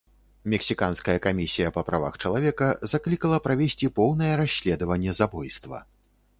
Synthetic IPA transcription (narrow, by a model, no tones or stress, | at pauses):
mʲɛksʲikanskɐjɐkamʲisʲijɐpɐpɾava̰xt͡ʂɐlˠavʲɛkɐzaklʲikɐlˠɐpɾavʲesʲt͡sʲipɔwnɐjɛɾasʲːlʲɛd̪ɐvɐnʲːɛzabɔjst̪vɐ̰